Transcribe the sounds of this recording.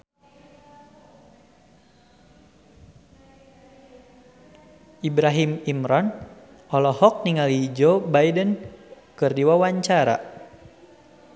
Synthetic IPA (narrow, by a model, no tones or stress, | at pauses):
ʔibɾaɦimimɾɔn | ɔlɔhɔk̚niŋalid͡ʒɔbaidən | kɨrdiwawaɲt͡ʃaɾa̰